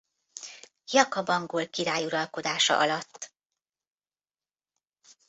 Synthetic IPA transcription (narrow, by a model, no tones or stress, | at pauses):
jɒkɒbɒŋɡoːlkiɾaːjuɾɒlko̞d̪aːʃɒ̰ʔɒlɒt̪ː